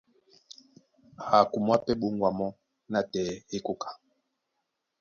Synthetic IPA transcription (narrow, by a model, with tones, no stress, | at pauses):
ha˨ku˨mwa˦pɛ˦ɓu˦ŋɡwa˨mɔ˦ | na˨tɛ˨e˦ku˦kʰḁ˨